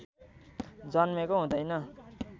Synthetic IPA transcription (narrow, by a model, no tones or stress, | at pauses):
d͡zʌnmekoɦũd̪ʌjnʌ